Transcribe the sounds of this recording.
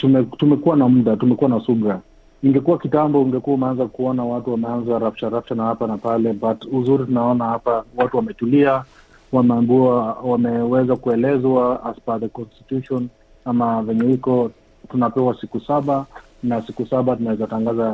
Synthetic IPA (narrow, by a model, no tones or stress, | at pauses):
tumɛtumɛkuwanam̩ɗatumɛkuwanasuɓɾa | iŋɡɛkuwakitambɔuŋɡɛkuaumɛanzakuɔnawatuwamɛanzaɾaft͡ʃaɾaft͡ʃanahapanapalɛbatuzuɾitunaɔnahapawatuwamɛtulia | wamɛambuawamɛwɛzakuɛlɛzwaaspaðɛkɔnstitjuʃɔn | amavɛɲɛikɔ | tunapɛwasikusaɓa | nasikusaɓatunawɛzataŋɡaza